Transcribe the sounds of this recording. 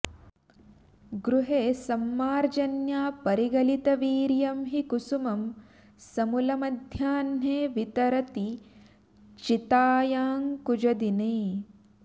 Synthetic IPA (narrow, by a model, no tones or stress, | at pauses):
ɡɾuɦeːsɐmːaːɾd͡ʒɐnjaːpɐɾiɡɐlit̪ɐʋiːɾjɐmɦikusumɐm | sɐmulɐmɐd̪ʱjaːnɦeːʋit̪ɐɾɐt̪i | t͡ʃit̪aːjaːŋkud͡ʒɐd̪ineː